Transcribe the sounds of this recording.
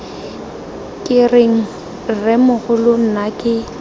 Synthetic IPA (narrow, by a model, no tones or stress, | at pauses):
kʼɪreŋ̩ | rɪmʊɣʊlʊn̩nakʼɪ